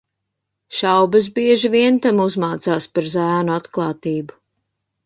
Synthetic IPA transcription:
ʃawbɐs̬biɛʒiviɛnt̪amuzmaːt̪saːspaɾzæːnuat̪klˠɑːt̪iːbu

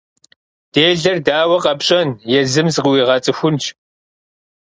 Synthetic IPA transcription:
d̥eːɮɐrdaːwɐqɐpɕʼɐnjɛzɨmzɨqwiːʁɑt͡sʼɨxʷʊnt͡ʃʰʼ

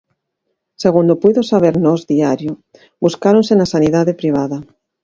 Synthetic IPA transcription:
seɣund̪opujðosaβ̞eɾnɔzðiaɾjʊ | buskaɾonsenasaniðaðepɾiβ̞aðɐ

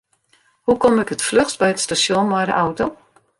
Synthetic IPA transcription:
hukɔmɪkətfløxtbɛjətstasjonmajdə̰ʔawto

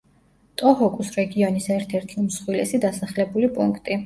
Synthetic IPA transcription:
t̪ʼɔɦɔkʼusɾɛɡiɔnisɛɾt̪ʰɛɾt̪ʰimsχwilɛsid̪asaχlɛbulipʼuŋkʰt̪ʼi

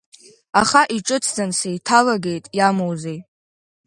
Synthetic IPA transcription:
aχaʔiʈ͡ʂʼɨt͡sʰd͡zansejtʰalaɡe̞jtʼjamowzej

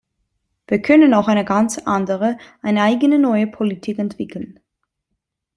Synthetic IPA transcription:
v̥iːɐkʰœnənaʊxaɪnəɡant͡sʔa̰ndəʁəʔaɪnəaɪɡənənɔʏəpʰolitʰiːkɛntv̥ɪkʰl̩n

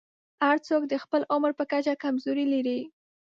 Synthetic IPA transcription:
haɾt͡sokd̪əxpəlʔʊmɾpəkat͡ʃakamzoɾilaɾi

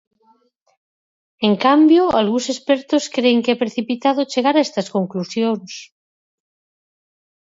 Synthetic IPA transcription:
eŋkambjoalɣunsespeɾt̪oskɾeːŋkeɛpɾeθipit̪að̞ot͡ʃeɣ̞aɾaest̪askoŋklusjoŋs

